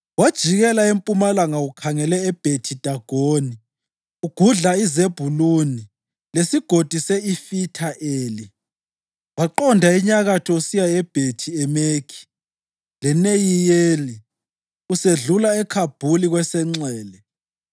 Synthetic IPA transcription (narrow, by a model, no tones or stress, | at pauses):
wad̥ʒ̥ʱiɣɛlaempʼumalaŋaukʰaŋɛlɛːb̥ʱetʰid̥ʱaɡ̥ʱoːni | uɡ̥ʱuɮaizeb̥ʱuluni | lesiɡ̥ʱod̥ʱisɛifitʰaʔeːli | waǃɔndʱaiɲaɣatʰɔusijaɛb̥ʱetʰiɛmekʰi̥ | lɛnejijeli | useɮulaɛkʰab̥ʱuliɣwɛsɛŋ͡ǀɛːlɛ